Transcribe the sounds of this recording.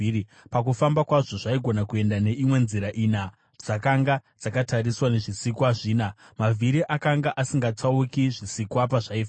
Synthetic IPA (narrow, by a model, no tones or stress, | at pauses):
i | pakufambakwaʐo̞ʐaiɡʱo̞nakue̞ndane̞imwe̞nziɾaʔina | d͡zakaŋɡad͡zakataɾiswane̞ʐisikwaʐiːna | mavʱiɾiʔakaŋɡaʔasiŋɡat͡saukiʐisikwapaʐaifa